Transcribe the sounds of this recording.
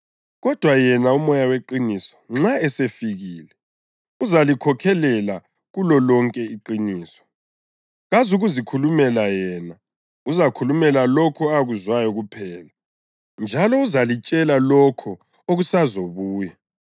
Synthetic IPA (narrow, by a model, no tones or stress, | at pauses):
ɣɔd̥ʱwajɛnaumɔjaweǃinisɔ̥ŋ͡ǁaɛsefiɣiːlɛ | uzalikʰɔkʰɛlɛla | ɣulɔlɔŋkʼɛiǃiniːsɔ̥ | ɣazuɣuzikʰulumɛlajɛːna | uzakʰulumɛlalɔkʰɔaɣuzwajɔɣupʰɛːla | nd͡ʒʱalɔuzalit͡ʃʼɛlalɔkʰɔ | oɣusazoβuːja